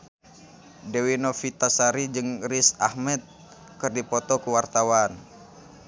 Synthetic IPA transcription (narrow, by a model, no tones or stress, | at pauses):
dewinofit̪asaɾid͡ʒɨŋrisahmɛt̪̚ | kɨrdipɔt̪ɔkuwart̪awan